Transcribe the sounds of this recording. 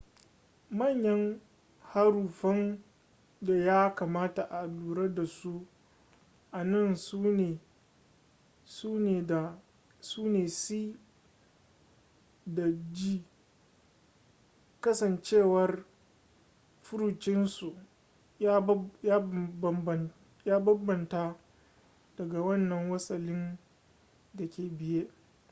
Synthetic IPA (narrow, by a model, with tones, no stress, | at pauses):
mɐ˦˨ɲjɐ˦ŋ | ha˦ɾuː˨ɸɐ˦n | da˨jaː˦ka˨maː˦ta˨ʔa˨duː˨ɾe˦da˨su˦ | ʔa˨nɐ˦˨ns | suː˦neː˨da˨ | suː˦neː˨si˦ | da˨d͡ʒiː˦ | kɐ˦sɐ˨nt͡ʃeː˦˨wɐ˨˦r | ɸʊ˦ɾuː˨t͡ʃɪ˦nsu˨ | ja˦ja˦˨ | jaː˦bɐ˦bɐ˨nta˦ | d̥ɐ˨ɡa˨wɐ˦nːɐ˨ŋwɐ˦sɐ˨lɪ˦n | dɐ˨kʲeː˨bɪ˨jeː˦ʔ